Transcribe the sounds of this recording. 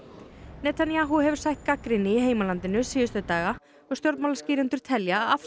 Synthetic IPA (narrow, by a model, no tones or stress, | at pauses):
nɛːt̪ʰanjaːɦuhɛvʏɾ̥sajht̪̚kakɾɪnɪiɦeːjmalant̪ɪnʏsiːjʏst̪œt̪aːɣa | ɔɣst̪jɔɾt̪mawlasciːɾɛnt̪ʏɾ̥t̪ʰɛljaːaf